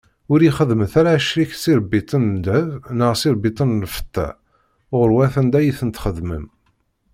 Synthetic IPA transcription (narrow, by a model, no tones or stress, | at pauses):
ʊɾiχəðməθæɾaʃɾiksiɾbːit̪ˤənd̪əvnəʁsiɾbit̪ˤənlfə̥t̪ːæ̰ | ʁəɾwæθænd̪æjiθənt̪χəðmə̰m